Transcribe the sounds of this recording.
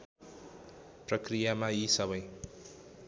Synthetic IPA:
prʌkrijamajisʌbʌj

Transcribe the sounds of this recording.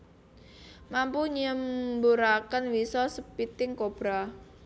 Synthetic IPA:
mampuɲəmbuɾakənwisɔsəpit̪ɪŋkob̥ɾa

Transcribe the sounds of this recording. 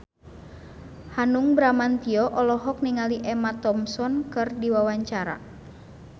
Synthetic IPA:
hanuŋbɾamant̪iɔʔɔlɔɦɔk̚niŋaliʔɛmat̪ɔmsɔnkɨrdiwawaɲt͡ʃaɾa̰

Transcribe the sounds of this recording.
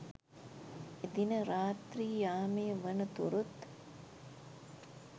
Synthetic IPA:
ed̪inəɾaːt̪riːjaːmejəʋənət̪uɾut̪

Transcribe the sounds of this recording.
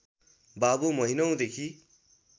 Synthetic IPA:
babumʌɦinʌw̃d̪ekʰi

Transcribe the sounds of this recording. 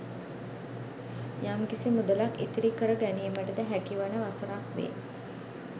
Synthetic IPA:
jamkisimud̪əlaket̪iɾikəɾəɡæniəməʈəd̪æɦækiʋanəʋasəɾakʋḛː

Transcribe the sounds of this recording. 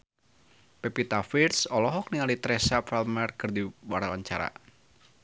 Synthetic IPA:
pɛpit̪afirsɔlɔɦɔk̚niŋalit̪ɾɛsafɛlmɛrkɨrdiwaɾawaɲt͡ʃaɾa̰

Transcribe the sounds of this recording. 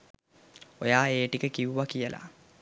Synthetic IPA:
ojaːeːʈikəkiʋuʋakijəlʔa̰

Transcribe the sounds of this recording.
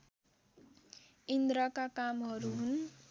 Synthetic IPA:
ind̪ɾʌkakamɦʌɾuɦun

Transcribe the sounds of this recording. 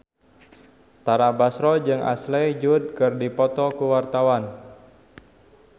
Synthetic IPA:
t̪aɾabasɾɔd͡ʒɨŋʔa̰slɛd͡ʒud̚kɨrdipɔt̪ɔkuwart̪awan

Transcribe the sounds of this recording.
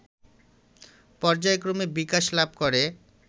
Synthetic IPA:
pɔɾd͡ʑaekɾomebikaʃlab̚koɾe

